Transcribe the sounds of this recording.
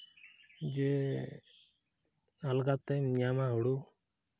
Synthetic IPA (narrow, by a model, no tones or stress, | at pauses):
d͡ʒe | alɡat̪ɛmɲamaɦuɽu